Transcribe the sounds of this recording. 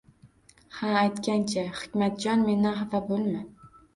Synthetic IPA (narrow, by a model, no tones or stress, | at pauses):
haːjt̪kʲant͡ʃʰahɪ̥kʲmat̪̚d͡ʒɒnme̞naɦavabolˠma